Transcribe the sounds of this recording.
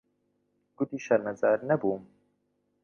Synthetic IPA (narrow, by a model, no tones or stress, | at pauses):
ɡ̥ud̪iʃaɾmazaɾnabuːm